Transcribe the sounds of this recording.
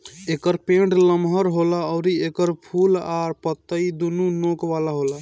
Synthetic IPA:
ekəɾpeɳɖləmɦəɾɦolaɔʊɾiekəɾpʰulaɾpət̪ːəid̪ununokʋalaɦola

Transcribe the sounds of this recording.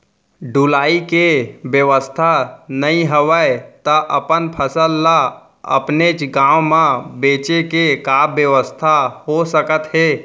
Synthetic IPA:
ɖulaːikebjəʋəst̪ʰanəĩɦəʋət̪əʔəpənpʰəsəlːa | ə̰pnet͡ʃɡãːwmãbeːt͡ʃekekaːbjəʋəst̪ʰahosəkət̪ɦeː

